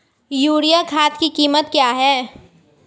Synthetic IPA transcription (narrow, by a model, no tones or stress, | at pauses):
juːɾijakʰaːt̪kikiːmət̪kjaːɦɛː